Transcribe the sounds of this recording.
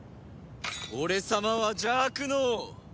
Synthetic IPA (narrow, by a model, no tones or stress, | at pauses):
oɾe̞samaβad͡ʑaːkɯ̟no